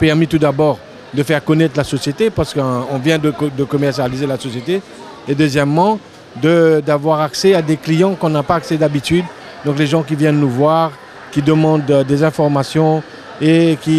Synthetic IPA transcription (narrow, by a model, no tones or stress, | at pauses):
pɛʁmit̪ud̪abɔʁ | d̪əfɛʁkɔnɛt̪χlasɔsjet̪epaʁsə̥kɔ̃vjɛ̃d̪əkd̪əkɔmɛʁsjalizelasɔsjet̪e | ed̪øzjɛmːɑ̃ | d̪əd̪avwaʁaksɛad̪eklijɑ̃kɔ̃napaːksɛd̪abit̪yd̪ | d̪ɔ̃kleʒɑ̃k̬ʲivjɛ̃nnuvwaʁ | kʲid̪əmɑ̃d̪d̪ezɛ̃fɔʁmasjɔ̃ | ekʲi